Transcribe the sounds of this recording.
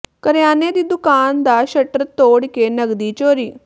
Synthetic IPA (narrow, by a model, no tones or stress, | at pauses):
kəɾjaːneːd̪iːd̪ʊkaːnd̪aːʃəʈɾət̪oːɽkenəɡd̪iːt͡ʃoːɾiː